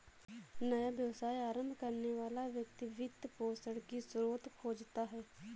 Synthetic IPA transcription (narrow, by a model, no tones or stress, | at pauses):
nəjaːbjəʋsaːiaːɾəmbʱkəɾneːʋaːlaʋjək̚t̪iʋɪd̪poːsəɽkisɾuːt̪kʰoːd͡ʒt̪aːɦɛː